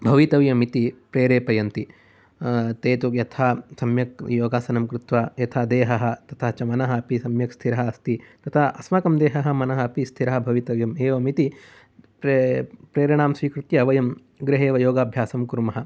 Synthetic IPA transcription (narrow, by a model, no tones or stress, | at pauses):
bʱɐʋit̪ɐʋjɐmit̪ipɾeːɾeːpɐjɐnt̪i | t̪eːt̪ujɐt̪ʰaːsɐmjɐk̚joːɡaːsɐnɐmkɾut̪ʋaːjɐt̪ʰad̪eːɦɐɦɐ̆t̪ɐt̪ʰɐɦt͡ʃɐmɐnɐɦɐ̆ɐpisɐmjɐkst̪ʰiɾɐɦɐɐst̪it̪ɐt̪ʰɐɐsmɐkɐmd̪eːɦɐɦɐ̆mɐnɐɦɐɐpist̪ʰiɾɐɦɐbʱɐʋit̪ɐʋjɐmeːʋɐmit̪i | pɾeːɾjɐɳaːmsʋiːkɾut̪jɐːʋɐjɐm | ɡɾɪɦeːʋɐjoːɡaːbʱjaːsɐmkuɾmɐɦɐ̆